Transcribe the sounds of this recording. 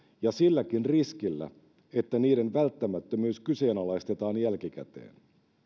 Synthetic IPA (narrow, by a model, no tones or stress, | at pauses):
jɑsilːækinriskilːæ̰ | e̞t̪ːæniːde̞nʋælt̪ːæmæt̪ːømyːskyse̞ːnɑlɑjst̪e̞t̪ɑːnjælkikæ̰t̪ḛːn